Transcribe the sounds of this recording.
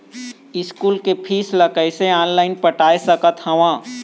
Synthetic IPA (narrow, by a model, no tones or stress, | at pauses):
ɪskuːlkepʰiːsləkəɪseaːnlaːɪnpəʈaːesəkət̪hɐʋãː